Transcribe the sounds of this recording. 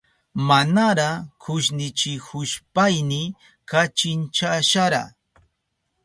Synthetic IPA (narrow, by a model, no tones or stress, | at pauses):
manaɾakʰʊʃnɪt͡ʃɪhʊʃpajnɪ | kat͡ʃɪnt͡ʃaʃaɾa̰